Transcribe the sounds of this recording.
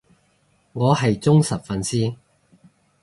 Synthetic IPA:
ŋɔː˨˧hɐ˨jt͡sʊ˥ŋsɐ˨p̚fɐ˨nsiː˥

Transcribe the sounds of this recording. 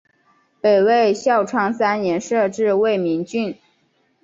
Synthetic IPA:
pe˨˩ɪwe˥˧ɪɕjɑ˥˩ʊʈ͡ʂʰwɑ˥ŋsa˥njɛ˧˥nʂɤ˥˧ʈ͡ʂɻ̩˥˧we˥˩ɪmi˧˥ŋt͡ɕy˥˩n

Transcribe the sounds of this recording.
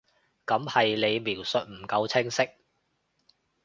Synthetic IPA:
kɐ˨˥mhɐ˨jle˨˧jmiː˨˩wsɵ˨t̚m̩˨˩kɐ˨˧wt͡sʰɪ˥ŋsɪ˥k̚

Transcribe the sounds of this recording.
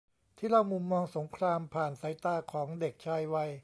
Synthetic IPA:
t̪ʰiː˥˩ɾa˥˩wmu˧mːɔː˧ŋso˩˦ŋkʰɾaː˧mpʰaː˨˩nsa˨˩˦jt̪aː˧kʰɔː˩˦ŋde˨˩k̚t͡ɕʰaː˧jwa˧j

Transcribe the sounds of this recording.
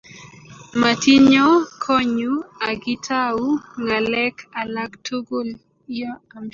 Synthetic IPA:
ma˨ti˦ɲɔ˦kʰɔ˦ɲu˦a˨ɡɪ˦tʰa˦u˦ŋa˨lɛ˦kʰa˨la˦ktʰo˦ɡo˦l | ja˦a˨m

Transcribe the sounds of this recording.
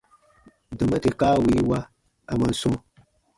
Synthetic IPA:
dɔ˨ma˦te˨kaː˦wi˨˦wa˦ | a˨ma˨n˦sõ˦

